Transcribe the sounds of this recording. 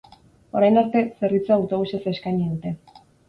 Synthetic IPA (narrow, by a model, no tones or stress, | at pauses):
o̞ɾajnoɾt̪e̞se̞rβit͡suoawt̪o̞βuse̞se̞skajɲiðut̪e̞